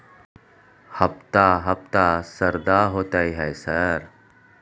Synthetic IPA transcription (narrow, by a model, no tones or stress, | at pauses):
hɐbt̪aɦɐb̚t̪asɐɾd̪aɦoːt̪aːiɦɛesɐɾ